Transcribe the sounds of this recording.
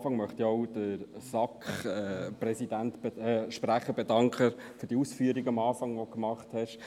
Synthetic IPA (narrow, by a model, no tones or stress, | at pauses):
fɑŋmœχt̪iɔʊd̥əɾsɑkχɛprɛsidæntb̥ʃpɾæχəɾbɛdɑŋkʰχəfʏɾd̥iusfyːəɾiɡɑmɑːfɑŋʋɔkmɑχthɛʃ